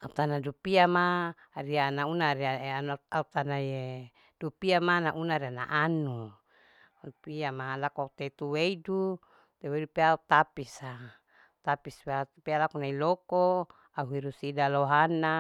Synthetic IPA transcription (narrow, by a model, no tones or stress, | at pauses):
aut̪anadupiama | rianaunaɾiaaaut̪anaje | d̥upiamanaʔunaɾiana̰ʔanu | piamalakoaut̪et̪uweidu | t̪ewedupeaut̪apisa | t̪apispeat̪pealakonailoko | auɦiɾusidaloɦana